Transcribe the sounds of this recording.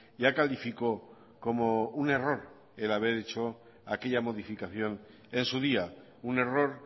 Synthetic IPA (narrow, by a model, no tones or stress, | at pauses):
ɟ͡ʝakalifiko̞ | ko̞moune̞ro̞ɾ | e̞laβ̞e̞ɾet͡ʃo̞ | akeʎamo̞ð̞ifikaθjo̞n | e̞nsuð̞ia | une̞ro̞ɾ